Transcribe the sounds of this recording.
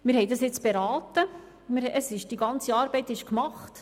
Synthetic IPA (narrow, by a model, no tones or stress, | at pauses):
mɪɾhɛjdɑsjɪt͡sb̥eɾɑːtə | mɪɾəsɪʃd̥iɡɑnt͡siɑːɾbɛɪtɪʃkmɑχt